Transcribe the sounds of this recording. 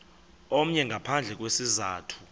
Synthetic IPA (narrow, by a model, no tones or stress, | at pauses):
ɔm̩ɲɛŋɡʱapʰand͡ɮʱɛk̬ʼwesizaːtʰu̥